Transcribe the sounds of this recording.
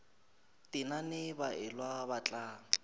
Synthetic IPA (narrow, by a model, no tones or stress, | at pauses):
tʼɪnanɪbaʔɪlwabat͡ɬʼaːŋ̩